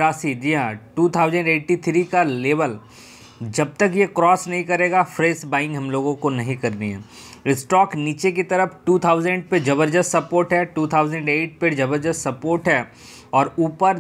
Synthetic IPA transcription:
ɾaːsid͡ʒiɦãʈuːt̪ʰaːʊzə̃ɳɖeːʈit̪ʰɾikaleːbəl | d͡ʒɐb̚t̪əkjekɾɔːsnɐɦĩkɐɾeːɡafɾeːsbaːɪ̃ŋɡɦɐmloːɡõkonɐɦĩkɐɾniɦɛ̰̃ː | ɪsʈɔːkniːt͡ʃek̬it̪ɐɾəfʈuːt̪ʰaːʊzə̃ɳɖ̚ped͡ʒɐbəɾd͡ʒəst̪sɐpoːɾʈɦɛʈuːt̪ʰaːʊzə̃ɳɖeːʈ̚ped͡ʒɐbəɾd͡ʒəstsɐpoːɾʈɦɛ | ɔːɾuːpəɾ

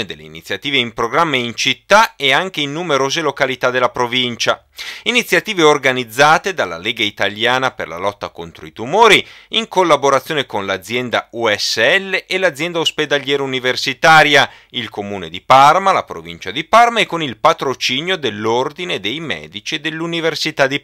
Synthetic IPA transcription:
ed̪elːeinḭt̪sːjat̪iːveimpɾoɡɾamːaint͡ʃit̪ːaeaŋk̟einːumeɾoːzelokalit̪ad̪elːapɾovint͡ʃa | init̪sjat̪iːveorɡanid̪zːaːt̪ed̪alːa̰leːɡait̪aljaːnapḛrla̰lɔt̪ːa̰kont̪ɾoit̪umoːɾiiŋkolːaboɾat̪sːjoːnekonlad̪zːjɛnd̪a̰uɛsːeɛlːeʔelad̪zːjɛnd̪aosped̪aljɛːɾauniversit̪aːɾja | ilkomuːned̪iparmalapɾo̰vḭnt͡ʃad̪iparmaekːonilpat̪ɾot͡ʃiːnjod̪elːord̪ined̪ejmɛ̰ːd̪it͡ʃid̪elːuniversit̪ad̪i

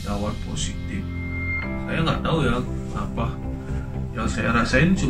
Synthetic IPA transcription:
dawat̪posit̪ɪf | sajaŋɡaʔt̪auja | apah | jaŋsajaɾasaɪnt͡ʃu

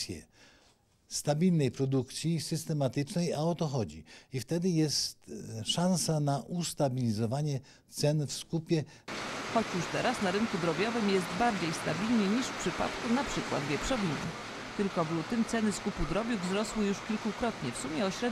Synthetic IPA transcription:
jɛ̰ | st̪abʲilnɛjpɾɔd̪ukt̪sʲjisɘst̪ɛmat̪ɘt͡ʂnɛjaɔt̪ɔxɔd͡ʑḭift̪ɛd̪ɘjɛst̪ʂãnsanaʔust̪abʲilʲizɔvaɲɛ | t̪sɛnfskupʲjɛxɔt͡ɕjuʂt̪ɛɾasnaɾɘnkud̪ɾɔbʲjɔvɘmjɛst̪baɾd͡ʑejst̪abʲilɲɛɲiʂfpʂɘpa̰t̪kunapʂɘkwa̰d̪vʲjɛpʂɔvʲinɛ̰ | t̪ɘlkɔvlut̪ɘmt̪sɛnɘskupud̪ɾɔbʲjuɡvzɾɔswɘjuʂkʲilkukɾɔt̪ɲɛfsumʲjɛɔɕɾɛd̪

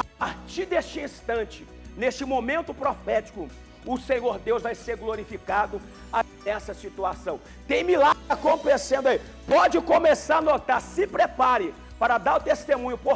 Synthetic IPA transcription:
apaɾt͡ʃiɾd̪est͡ʃɪĩst̪ɐ̃nt͡ʃɪ̥ | nest͡ʃɪmomẽnt̪ʊpɾofɛt͡ʃi̥kʊ | ʊsẽɲoɾd̪ewzvajseɾɡloɾifikad̪ʊ | a | ɛsɐsit̪uasɐ̃w̃ | t̪ẽj̃milaɐkõpẽsẽnd̪ʊai | pɔd͡ʒɪkõmesaɾnot̪aɾsɪpɾepaɾɪ | paɾɐd̪aɾʊt̪est̪emũɲʊpo

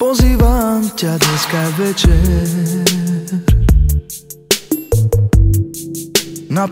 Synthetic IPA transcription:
pɔziːʋamcad̪ɲɛskaʋɛt͡ʃɛ | ɾ | na

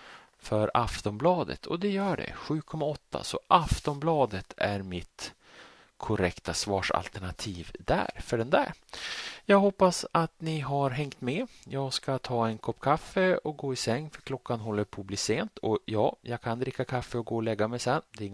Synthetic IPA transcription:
fœɾa̰ft̪ɔmblɑːd̪ə̰t̪ʰɔ̰d̪ɛjœːɖɛ̰ɧʉ̟ːkʰɔmːaɔt̪ʰːa̰sɔ̰ʔaft̪ɔmblɑːd̪ət̪ʰæɾmɪt̪ | kʰʊɾɛkt̪asvɑːʂa̰lt̪æɳat̪ʰiːvd̪æ̰ɾfœɖɛnd̪æ̰ɾ | jɑːɡhɔpːasat̪nɪɦaɾɦɛŋt̪mɛjɑːɡskat̪ʰɑːɛnkʰɔpːkʰafːəɔɡoːɪsɛŋːfœɾkʰlɔkːanɦɔlːəɾpʰoːbliːseːnt̪ʰɔjɑːjɑɡkʰand̪ɾɪkːakʰafːəɔɡoːɔlɛɡːamɛjsɛnːd̪ɛɾɪŋː

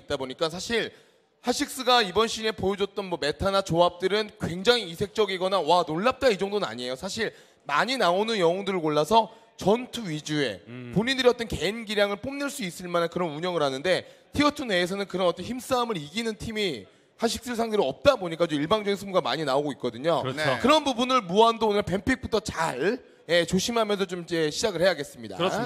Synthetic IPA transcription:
t͈̚aboɲik͈asʰaɕʰiɭ | haɕʰik̚s͈ɯɡaibʌnɕʰine̞pojod͡ʑot͈ʌnmʌme̞tʰanat͡ɕoap̚t͈ɯɾɯnkwe̞ŋd͡ʑaŋiːsʰe̞k̚t͡ɕ͈ʌɡiɡʌnawanoɭːap̚t͈aid͡ʑʌŋdonɯna̰ɲie̞josʰaɕʰiɭ | ma̰ɲinaonɯnjʌŋʌŋdɯɾɯɭkoɭːasʰʌ | t͡ɕʌntʰuid͡ʑue̞̰poɲindɯɾiʌt͈ʌnke̞inɡiɾjaŋɯɭp͈omnɯɭs͈uis͈ɯɭmanankɯɾʌnuɲʌŋɯɾɦanɯnde̞tʰiʌtʰune̞ːs̬ʰʌnɯnkɯɾʌnʌt͈ʌnçims͈aːmɯɾiɡinɯntʰimi | haɕʰi̥k̚s͈ɯɭs̬ʰaŋdeɾiʌp̚t͈aboɲik͈at͡ɕomiɭbaŋd͡ʑʌɡinsʰumuɡama̰ɲinaoɡoit̚k͈ʌdɯɲokɯɾʌnbubunɯɭmuandoonɯɭpe̞mpʰik̚p͈utʰʌt͡ɕaɭ | je̞t͡ɕoɕʰimamjʌnsʰʌt͡ɕomid͡ʑe̞ɕʰid͡ʑaɡɯɭhe̞jaɡe̞s͈ɯmɲida̰

